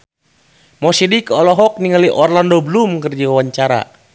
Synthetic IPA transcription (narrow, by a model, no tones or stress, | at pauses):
mɔsidikɔlɔɦɔk̚niŋaliʔɔrlandobəlumkərd͡ʒawawaɲt͡ʃaɾa̰